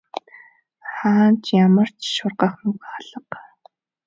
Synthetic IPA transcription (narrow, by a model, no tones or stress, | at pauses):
χaːnt͡ɕjamə̆r̥t͡ɕʃʊrɢaχmʊɡaɮə̆q